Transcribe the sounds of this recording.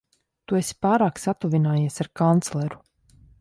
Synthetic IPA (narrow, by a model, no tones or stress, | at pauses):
t̪uesi̥paːɾaːksat̪uvinaːjiɛsaɾkant̪slˠɛɾu